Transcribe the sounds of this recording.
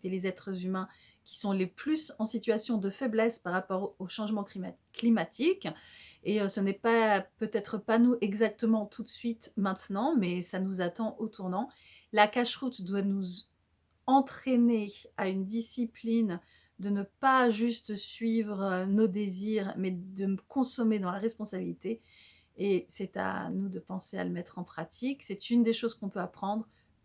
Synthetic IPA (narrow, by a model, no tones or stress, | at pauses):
t̪elezɛt̪χəzymɛ̃ | kʲi̥sɔ̃leplysɑ̃sit̪ɥasjɔ̃d̪əfɛblɛspaʁːapɔʁoʃɑ̃ʒmɑ̃k | klimat̪ʰikeøsənɛpapøt̪ɛt̪χəpanuʔɛɡzak̚t̪əmɑ̃t̪ʰut̪sɥit̪mɛ̃t̪nɑ̃mɛsanuzat̪ɑ̃ʔot̪ʰuʁnɑ̃ | lakaʃʁut̪d̪wanuz | ɑ̃t̪χeneaynd̪isiplin | d̪ənəpaʒyst̪sɥivʁnod̪eziʁmɛd̪əkʰɔ̃sɔmed̪ɑ̃laʁɛspɔ̃sabilit̪eː | sɛt̪a̰nud̪əpɑ̃sea̰ləmɛt̪χɑ̃pχat̪ʰiksɛt̪ynd̪eʃozkɔ̃pøapχɑ̃d̪ʁ